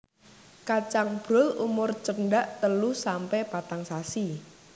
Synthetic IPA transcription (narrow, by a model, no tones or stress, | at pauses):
kat͡ʃaŋb̥ɾʊlumʊrt͡ʃəɳɖaʔt̪əlusampɛpat̪aŋsasi